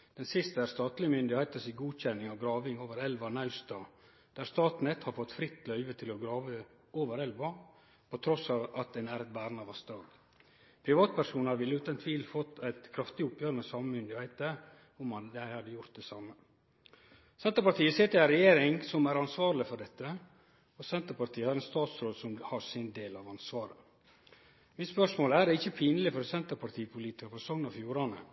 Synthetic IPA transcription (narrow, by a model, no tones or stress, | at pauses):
d̪̥ɛnsɪst̪əæɾst̪ɑːt̪lɪəmʏnd̪ɪhæɪt̪əsɪɡuːd̪çɛnːɪŋɑʋɡɾɑːʋɪŋoːʋəɾɛlʋɑnɑʉst̪ɑː | d̪̥æːɾst̪ɑːt̪nɛt̪hɑɾfɔt̪ːfɾɪt̪ːlœʏʋət̪ʰɪlɔɡɾɑːʋə | oːʋəɾɛlʋɑ | pʰɔt̪ʰɾɔsɑːʋɑt̪̚d̪ɛnæɾɛt̪̚bæːɾnɑʋɑst̪ɑːɡ | pʰɾɪʋɑːt̪̚pæɾʂuːnɑɾʋɪlːəʉːt̪ɛnt̪ʰʋiːlfɔt̪ːæɪt̪kʰɾɑft̪ɪʊpjøːɾənɛsɑməmʏnd̪ɪhæɪt̪ə | ʊmɑd̪æɪhɑd̪ːəjʊɾt̪̚d̪ɛsɑːmːə | sɛnt̪əɾpɑɾt̪iːəseːt̪ɪlæɾɛjeːɾɪŋsɔmæɾɑnsʋɑːɾlɪfɔɖɛt̪ːə | ɔsɛnt̪əɾpɑɾt̪ʰiːəhɑɾɛnst̪ɑːt̪sɾoːd̪sɔmhɑsɪnd̪eːlɑʋɑnsʋɑːɾə | mɪt̪spœʂmoːləæɖɛɪçːəpʰiːnəlɪfɔɾɔsɛnt̪əɾpʰɑɾt̪ʰiːəpʰʊliːt̪ɪkəɾfɔsɔŋnɑfjuːɾɑnə̰